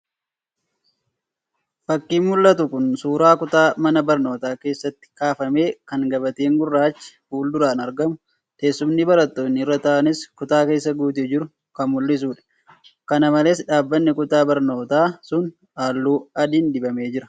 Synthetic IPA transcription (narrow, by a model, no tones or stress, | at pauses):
fɐkːiːnmʊlːɐt̪ʊkʊnsuːɾaːkʊt̪aːmɐnɐbɐɾno̞ːt̪aːke̞ːsːɐt̪ːɪ̥kaːfɐme̞ːkɐŋɡɐbɐt̪eːŋɡʊrːaːt͡ʃːɪ̥fuːld̪ʊɾaːnɐɾɡɐmʊ | t̪eːsːʊmnɪbɐɾɐt̪ːo̞ːnːɪɪrːɐt̪ɐʔɐnɪskʊt̪aːke̞ːsːɐɡuːt̪̬eːd͡ʒɪɾʊ | kɐnmʊlːɪs̬uːᶑɐ̥ | kɐnɐmɐle̞ːsᶑaːbːɐnːɪkʊt̪aːbɐɾno̞ːt̪aːsʊn | aːlːuːɐd̪iːnd̪ɪbɐme̞ːd͡ʒɪɾɐ̥